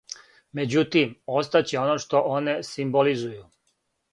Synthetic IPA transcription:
me̞d͡ʑut̪imo̞st̪at͡ɕeo̞noʃt̪o̞ʔone̞simbolizuju

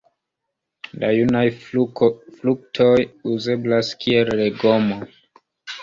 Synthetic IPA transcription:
lajunaj | fluk̚tʰo̞juzeblaskʰielːeɡo̞mo

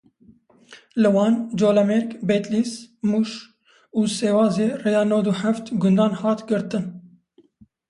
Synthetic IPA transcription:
lɨwɑːnd͡ʒoːlɛmeɾkbet̪lismuːʃ | uːseːwɑːzeːreːjɑːnoːwd̪uːħaft̪ɡʊnd̪ɑːnhɑːt̪ɡɨɾt̪ɨn

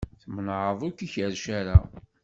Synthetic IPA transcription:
θmnʕəðˤʊkiçəɾʃaɾa

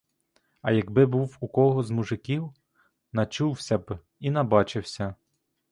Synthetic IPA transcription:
ɐ̰jɐɡbɪbuwukɔɦɔzmuʒɪkʲiw | nɐt͡ʃuwsʲɐb | inɐbɑt͡ʃɪwsʲɐ

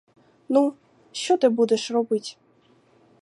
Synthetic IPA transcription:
nu | ʃt͡ɕɔt̪ɪbud̪ɛʂrɔbɨtʲ

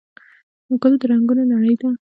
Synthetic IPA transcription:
mʊkəlod̪əɾaŋɡunonaɽəjd̪a

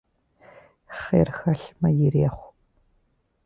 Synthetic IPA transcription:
χḛrxɐɬmɐjɪreːχʷ

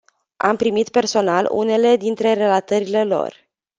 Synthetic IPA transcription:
a̰mpɾimit̪pe̞rso̞nalṵne̞le̞d̪int̪ɾe̞ɾe̞lat̪əɾile̞lo̞̰r

